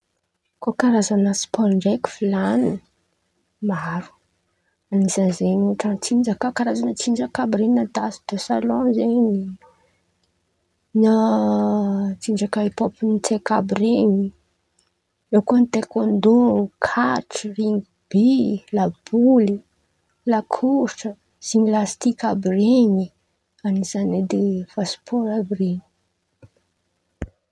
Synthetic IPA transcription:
kokaɾazanasi̥pɔlɳɖ͡ʐeki̥filani | maɾu̥ | anizanzenuʈ͡ʂənt͡sind͡ʒakakaɾazanət͡sind͡ʒəkabɾininat̪asi̥d̪̥osalɔ̃zeni | na | t͡siɳd͡ʒakaipopinit͡sekabɾiɲi | ewkonit̪ekond̪uɾukʰaʈ͡ʂiriŋ | b̥ilab̥uli | lakʰuɾʈ͡ʂə | siɲilast̪ikabireɲi | anizaned̪efaspʰoɾabreɲi̥

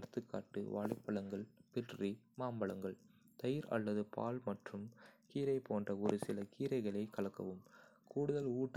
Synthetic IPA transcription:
ɽɯt̪ːɯkːaːʈːɯ̰ʋa̰ːɭɐɪpːɐɭɐŋɡɐɭpɪʈri | maːmbɐɭɐŋɡɐɭ | t̪ɐjɪɾɐ̰lːɐðɯpʰa̰ːlmɐʈrɯmkiːɾɐɪpoːndrɐɔɾɯsɪlɐkiːɾɐɪɣɐɭɐɪkɐɭɐkːɐ̰ʋɯmkuːɽɯðɐluːʈː

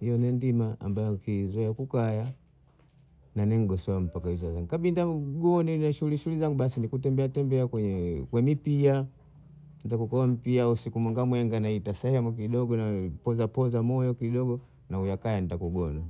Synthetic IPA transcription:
hijɔnɛndimaa̰mbajɔkizwajakukaja | nanɛŋ̩ɡɔsɔam̩pakaizazaŋɡukaɓindaɡɔninaʃuuliʃuulizaŋɡuɓasinikut̬ɛmbɛatɛmbɛakwɛɲɛkwɛmipia | nzakukɔam̩piausikumwɛŋɡamwɛŋɡanaitasɛhɛmuk̬iɗɔɡɔnapɔzapɔzamɔjɔkiɗɔɡɔ | naujakajantakuɡɔna

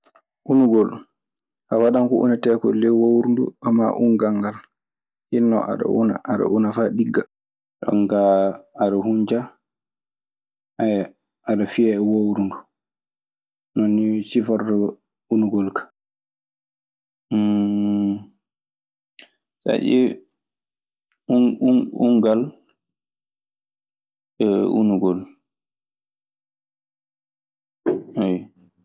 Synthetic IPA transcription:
ʔunuɡɔl | kawaɗaŋkɔʔṵnatɛːkɔlːɛwowɾundṵʔamːa̰ʔunɡaŋɡal | hinːɔ̰ʔa̰ɗa̰ʔṵna̰ʔaɗa̰ʔunafaɗiɡːa | ɗɔ̰ŋkaːɗahuɲd͡ʒa | a | aɗafiɛɛwowɾundu | nɔnːisifɔɾdɛ | unuɡɔlkḁ | sa̰ʔi | uŋɡal | ɛṵnuɡɔl | aj

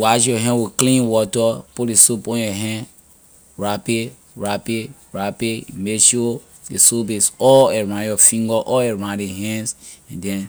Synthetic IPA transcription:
waʃjɔɦɛ̃wiklĩnwɔtɔpudesopɔ̃jɔɦɛ̃n | ɹape | ɹape | ɹapeimeʃo | desobesɔeɹãnjɔfĩŋɡɔʔɔeɹãndeɦɛ̃nsɛ̃ndɛ̃n

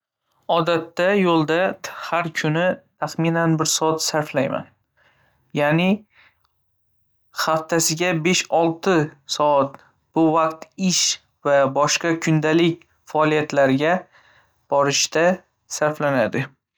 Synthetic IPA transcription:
ɒd̪at̪ːajolˠd̪ahaɾkʲʰʊnɪt̪ʰaχmɪnanbɪɾsɒat̪saɾflajma̰n | janɪ | χaft̪ʰasɪɡʲabe̞ʃɒlˠt̪ɪsɒat̪ | b̥ʊvaqt̪ɪʃ | vabɒʃqɑkʰʊnd̪alɪkʲ | faːlijat̪laɾɡʲa | b̥ɒɾɪʃt̪a | saɾflanad̪ɪ

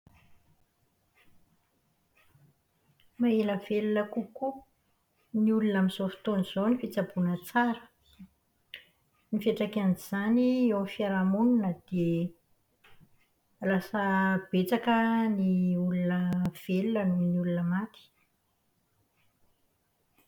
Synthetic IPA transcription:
maeləv̥elunəkuku | niulunamizofi̥t̪oniz̥onifit͡sabunət͡saɾə̥ | nifeʈ͡ʂakaniz̥aniewmifaɾamununəd̪̥e | lasəb̥et͡sakəniulunəv̥elunənuniulunəmat̪i̥

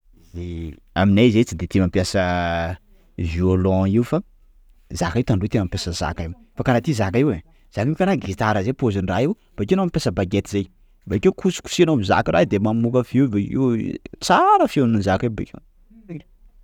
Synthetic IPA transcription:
ze | a̰minazejt͡sid̪et̪emampjasə | violɔ̃iufa | zakaiwt̪anɳɖ͡ʐut̪enampʲjasəza̰kajm | fakanat̪izakaiwe | z̥akikanaɡit̪aɾəzepozinraiw | b̥akenamipesəbaɡet̪izej | bakekʰusi̥ku̥sianobiza̰kiɾa̰d̪emamukəfivekḭwt͡saɾəfenunzakebḛkʲe

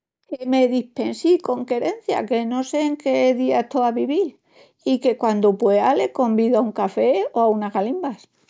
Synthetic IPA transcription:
keme̞ðihpe̞nsiko̞ŋke̞ɾe̞n̟θja̰ke̞no̞se̞ːŋkeðiaet̪oaβiβiɾ | ike̞kwand̪opweale̞ko̞mbiðoauŋkafe̞oaunaɣalimbas

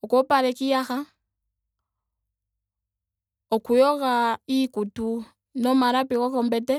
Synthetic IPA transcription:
ɔkɔpaɾɛkijaxa | ɔkujɔɣaikutu | nɔmaɾapikɔkɔmbɛtɛ

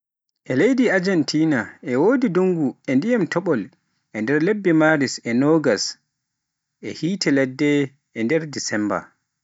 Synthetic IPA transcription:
ʔɛlejdiad͡ʒɛntʰiːnaʔɛwoːdidoŋɡuɛndijamtʰɔɓɔl | ʔɛndɛɾlebːɛmaːɾisɛnɔɡas | ʔɛhiːtʰɛlɛdːɛ | ʔɛndɛɾdisɛmba̰

